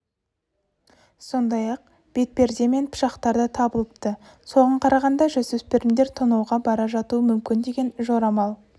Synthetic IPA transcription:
so̞nd̪ɑjɑq̚ | b̥e̞t̪̚pe̞ɾd̪e̞me̞npʰʊ̥ʃɑqt̪ɑɾd̪ət̪ʰɑbəlˠəp̚t̪ə | so̞ʁəɴqʰɑɾɑʁɑnd̪ɑʒɵzɵspeɾɪmd̪eɾt̪ʰonɑwʁɑbɑɾɑʒɑt̪uəmʏmkʲɪnd̪e̞ɡʲe̞nʒo̞ɾɑmɑlˠ

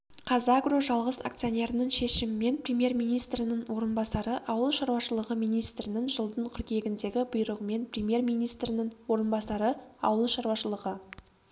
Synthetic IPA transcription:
qʰɑzɑɡroʒɑlˠʁəsa̰kt̪sɨjonʲe̞ɾənəɴʃe̞ʃɪmɪme̞nprʲemje̞rmijnijst̪ɾɪnɪɴwo̞ɾənbɑsɑɾəʔɑwəlˠʃɑɾwɑʃəlˠəʁəmijnijst̪ɾɪnɪŋʒəlˠd̪əɴqʰʊɾkʲe̞ɡʲɪnd̪e̞ɡʲɪbʊjɾəʁəme̞nprʲemje̞rmijnijst̪ɾɪnɪɴwo̞ɾənbɑsɑɾəɑ̰wəlˠʃɑɾwɑʃəlˠəʁə

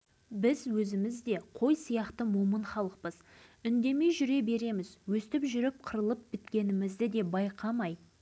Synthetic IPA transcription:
bɪzwɵzɪmɪzd̪e̞qʰo̞jsijɑqt̪əmoməɴχɑlˠəq̚pəz̥ʏnd̪e̞me̞jʒʏɾe̞be̞ɾe̞mɪzwɵst̪ɪpʒʏɾɪp̚qʰəɾəlˠəp̚bɪt̪kʲe̞nɪmɪzd̪ɪd̪e̞bɑjqʰɑmɑj

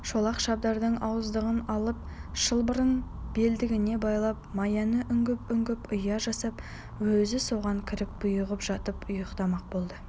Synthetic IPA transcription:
ʃolˠɑqʃɑb̚d̪ɑɾd̪əɴɑwəzd̪əʁənɑlˠəp̚ʃəlˠbəɾənb̥e̞ld̪ɪɡʲɪne̞bɑjlˠɑp̚mɑjɑnəʔʏŋɡʲɪpʏŋɡʲɪpʊjɑʒɑsɑp | wɵzɪso̞ʁɑŋkʲʰɪɾɪk̚b̥ʊjəʁəpʒɑt̪əpʊjəqt̪ɑmɑq̚bo̞lˠd̪ə

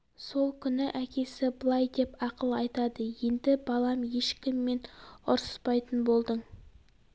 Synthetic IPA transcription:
so̞lˠkʲʰʏnɪʔækʲe̞sɪbəlˠɑjd̪e̞pɑqəlˠɑjt̪ɑd̪əje̞nd̪ɪbɑlˠɑmje̞ʃkʲɪmːe̞nʊɾsə̥spɑjt̪ənbo̞lˠd̪əɴ

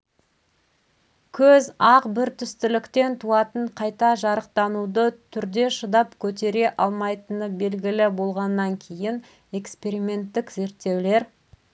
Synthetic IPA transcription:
kʲʰɵzɑqbɪɾt̪ʰʏst̪ɪlɪkt̪e̞nt̪ʰuɑt̪əɴqʰɑjt̪ɑʒɑɾəq̚t̪ɑnud̪ət̪ʰʏɾd̪e̞ʃəd̪ɑpkʲʰɵt̪̬e̞ɾe̞ʔɑlˠmɑjt̪ənəbe̞lɡʲɪlɪbo̞lˠʁɑnːɑŋkʲʰe̞jɪn | e̞kspe̞ɾimʲe̞nt̪ːɪkze̞ɾt̪ːe̞wle̞ɾ

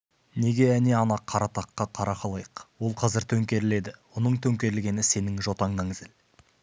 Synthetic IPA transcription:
ne̞ɡʲe̞æneɑnɑqʰːɑɾɑt̪ɑqːɑqʰɑɾɑqɑlˠɑjəqwo̞lˠqʰɑzɪɾt̪ʰɵŋkʲe̞ɾɪle̞d̪ɪwonəɴt̪ʰɵŋkʲe̞ɾɪlɡʲe̞nɪse̞nɪŋʒo̞t̪ɑɴnɑŋɪzɪl

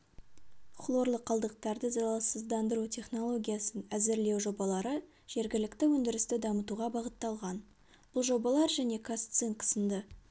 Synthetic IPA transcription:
χlˠo̞ɾlˠəqʰːɑlˠd̪əq̚t̪ɑɾd̪əzɑlˠɑsəzd̪ɑnd̪əɾut̪ʲʰe̞χno̞lˠo̞ɡʲijasənæzɪɾle̞wʒo̞bɑlˠɑɾə | ʒ̥e̞ɾɡʲɪlɪkt̪ɪwɵnd̪ɪɾɪst̪ɪd̪ɑmət̪uʁɑbɑʁət̪ːɑlˠʁɑn | b̥ʊlˠʒo̞bɑlˠɑɾʒæne̞kʰast̪siŋkʰə̥sənd̪ə

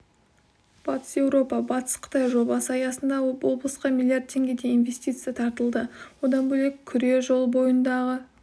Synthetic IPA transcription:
b̥ɑt̪ə̥sje̞wɾo̞pɑbɑt̪ə̥sqʰə̥t̪ɑjʒo̞bɑsəɑjɑsənd̪ɑwo̞blˠəsqɑmʲilʲˠijart̪̚tʰːe̞ŋɡʲe̞d̪e̞invʲe̞st̪ijt̪sɨjɑt̪ʰɑɾt̪əlˠd̪əwo̞d̪ɑnbɵlekʲʰːʏɾe̞ʒo̞lˠbo̞jənd̪ɑʁə

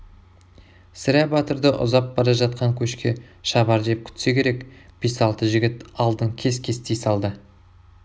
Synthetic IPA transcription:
sɪɾæbɑt̪əɾd̪əʔʊ̰zɑp̚bɑɾɑʒɑt̪̚qɑŋkʲʰɵʃkʲe̞ʃɑbɑɾdep̚kʲʰʏ̥t̪se̞kʲʰe̞ɾe̞kb̥esɑlˠt̪əʒɪɡʲɪt̪ɑlˠd̪əŋkʲʰe̞skʲʰe̞st̪ejsɑlˠd̪ə

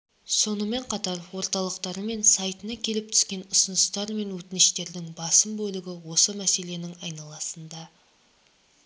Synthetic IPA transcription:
so̞nəme̞ɴqʰɑt̪ɑɾwo̞ɾt̪ɑlˠəqt̪ɑɾəme̞nsɑjt̪ənɑkʲʰe̞lɪp̚t̪ʰʏ̥skʲe̞nʊsənəst̪ɑɾme̞nwɵt̪ɪnɪʃt̪e̞ɾd̪ɪŋbɑsəmbɵlɪɡʲɪwo̞səmæse̞le̞nɪŋɑjnɑlˠɑsənd̪ɑ

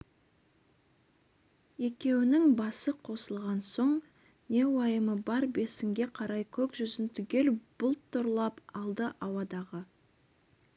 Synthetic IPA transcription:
e̞kʲe̞wɪnɪŋbɑsəqʰo̞səlˠʁɑnso̞ɴ | ne̞wɑjəməbɑɾbe̞sɪŋɡʲe̞qʰɑɾɑjkʲʰɵkʒʏzɪnt̪ʰʏɡʲe̞lb̥ʊlˠt̪ʰːʊɾlˠɑpɑlˠd̪əʔɑwɑd̪ɑʁə

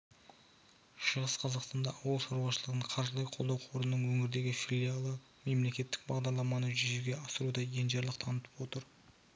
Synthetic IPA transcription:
ʃəʁəsqʰɑzɑqst̪ɑnd̪ɑʔɑwəlˠʃɑɾuwɑʃəlˠəʁəɴqʰɑɾʒəlˠɑjqʰold̪ɑwqʰo̞ɾnənəɴwɵŋɪɾd̪e̞ɡʲɪfilʲijalˠə | me̞mle̞kʲe̞t̪ːɪ̥k̚bɑʁd̪ɑɾlˠɑmɑnəʒʏzuɡʲe̞ɑsəɾud̪ɑje̞nʒeɾlˠəqt̪ʰɑnət̪ə̥pwo̞t̪əɾ

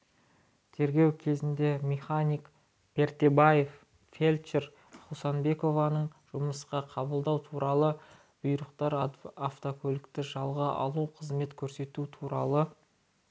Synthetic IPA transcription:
t̪ʰe̞ɾɡʲe̞wkʲʰe̞zɪnd̪e̞mʲeχanʲijk | b̥e̞ɾt̪e̞bajef | fe̞lʲt͡ʃeɾ | χusɑnbe̞ko̞vɑnəɴʒ̥ʊməsqɑqʰɑbəlˠd̪ɑwt̪ʰuɾɑlˠə | b̥ujɾəqt̪ɑɾaft̪okʲʰolʲɪkt̪ɪʒɑlˠʁəʔɑ̰lˠuqʰəzme̞t̪kʲʰɵɾse̞t̪ut̪ʰuɾɑ̰lˠə

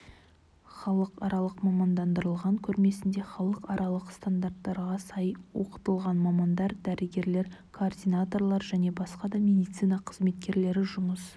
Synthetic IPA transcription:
χɑlˠəqɑ̰ɾɑlˠəqmɑmɑnd̪ɑnd̪əɾəlˠʁɑŋkʲʰɵɾme̞sɪnd̪e̞χɑlˠəqɑɾɑlˠəqst̪and̪art̪ːɑɾʁɑsɑjwo̞̰qə̥t̪əlˠʁɑnmɑmɑnd̪ɑɾd̪æɾʔɪɡʲe̞ɾle̞ɾkʰoːrd̪ijnat̪o̞rlˠɑɾʒæne̞bɑsqɑd̪ɑmʲe̞d̪ijt̪sɨjnɑqʰəzme̞t̪̚kʲe̞ɾle̞ɾɪʒʊməs

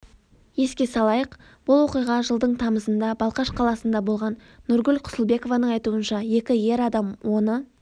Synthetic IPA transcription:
je̞skʲe̞sɑlˠɑjəq | b̥ʊlˠwo̞qijʁɑʒəlˠd̪əɴt̪ʰɑməzənd̪ɑbɑlˠqɑʃqʰɑlˠɑsənd̪ɑbo̞lˠʁɑnː | ʊɾɡʲʏlqʰʊ̥səlˠbe̞ko̞vɑnəɴɑjt̪uənʃɑje̞kʲɪje̞ɾɑd̪ɑmwo̞nə

